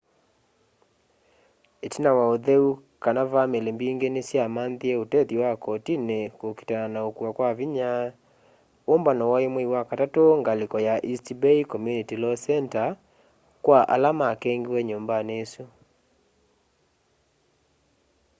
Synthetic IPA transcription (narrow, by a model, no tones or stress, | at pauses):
etinawaoðeukanavamelembiːŋɡenesjamaːnðiɛotɛðiwakɔtinekoki̥tananaokuakwaviɲa | ombanɔwɔjemweiwakatatoŋɡalikɔjaʔistibeikɔmjunitilɔsɛnta | kwaʔa̰lamakɛŋɡiwɛɲoːmbaneːsu